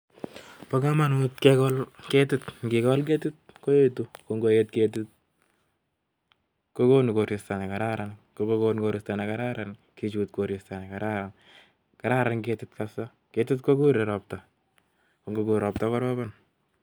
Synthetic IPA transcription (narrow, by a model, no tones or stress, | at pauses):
pokamanotkekɔlketɪtŋɡɪkɔlk̬etɪt̚kojetukoŋɡojetket̬ɪt̚ | kokonkoɾistanekaɾaɾankokokonkoɾɪstanekaɾaɾan | kit͡ʃuːt̚koɾistanɛkaɾaɾan | kaɾaɾanketɪtkasɔ | ketɪtkokuɾeɾɔp̚ta | koŋɡokuɾɔp̚takɔɾɔbɔn